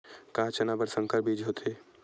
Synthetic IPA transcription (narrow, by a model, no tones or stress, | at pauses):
kaːt͡ʃɐnabəɾsə̃ŋkəɾbʱiːd͡ʒɦot̪ʰeː